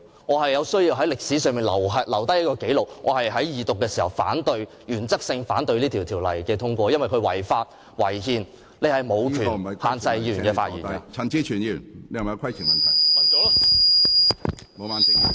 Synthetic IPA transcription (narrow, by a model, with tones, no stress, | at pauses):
ŋɔː˨˧ɦɐ˨jɐ˨˧wsɵ˥ɥjiː˧wɦɐ˨˥jlɪ˨k̚siː˨˥sœː˧ŋmiː˨˩nlɐ˨˩wɦɐ˨lɐ˨˩wt̪ɐ˥jɐ˥kɔː˧ke˨˥jlʊ˨k̚ŋʔɔː˨˧hɐ˨jɦɐ˨˥jjiː˨˩t̪ʊ˨kːɛː˧si˨˩hɐ˨wfa̰ː˨˥nt̪ɵ˧ɥ | jyː˨˩nt͡sɐ˥k̚sɪ˧ŋfaː˨˥nt̪ɵ˧ɥliː˥t̪ʰiː˨wt̪ʰiː˨˩wlɐ̰˨˩jkɛː˧t̪ʰʊ˥ŋkʷɔː˧jɐ˥nwɐ˨jkʰɵ˧ɥwɐ˨˩jfaː˧t̚ | wɐ˨˩jhiː˨n | le˨˧jhɐ˨jmo˨˧wkʰyː˨ɐ˨haː˨˩nt͡sɐ˧jiː˧˨nkɛː˧faː˧tji˨i˨˩kɐ˧t͡sʰɐ˨˩nt͡siː˧˥t͡ʃʰyː˨nji˧˨˩nle˧jhɐ˨jɐ˨˧kʰjʰiː˨˩nmɐ˨nt̪ʰɐ˨jɐ˨ɔ˨˥ | mo˨˧wa˨n˧